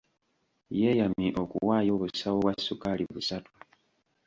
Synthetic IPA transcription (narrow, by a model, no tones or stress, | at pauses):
je̞jamiʔokuwaːjo̞ːβusawowasːukaliβusatu̥